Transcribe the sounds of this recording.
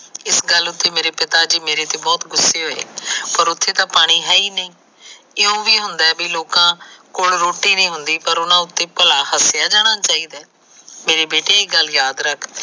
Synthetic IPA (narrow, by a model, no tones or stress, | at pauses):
ɪsɡəlːʊt̪ʰːeːmeːɾeːpɪt̪aːd͡ʒiːmeːɾeːt̪eːbɔːt̪ɡʊsːeːɦoːḛːpəɾʊt̪ʰːeːt̪ãːpaːɽ̃iːɦɛːiːnəĩː | ɪõːʋiːɦʊnd̪aːbiːloːkãːkoːlɾoːʈiːnĩːɦʊnd̪iːpəɾʊnãːʊt̪ːeːpəlaːhəsɪjaːd͡ʒaːɽ̃ãːt͡ʃaːiːd̪ɛː | meːɾeːbeːʈeːeɡəljaːd̪ɾəkʰ